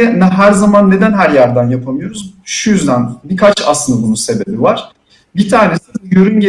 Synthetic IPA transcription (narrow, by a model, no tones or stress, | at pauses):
ɛnɛɦæɾzamanːe̞d̪ænɦæɾjæɾd̪ænjapʰamɯjo̞ɾuzʃujyzd̪ænbikʰat͡ʃa̰slɯnd̪abunuse̞be̞bivaɾ̥ | bit̪ʰaːne̞sijøɾynɟe